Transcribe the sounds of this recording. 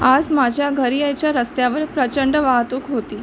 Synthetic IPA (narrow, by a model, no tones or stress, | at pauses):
ad͡zmad͡ʑʱjaɡʱəɾijəjt͡ɕjaɾəst̪jaʋəɾpɾət͡ɕəɳɖəʋaɦt̪uːkɦot̪iː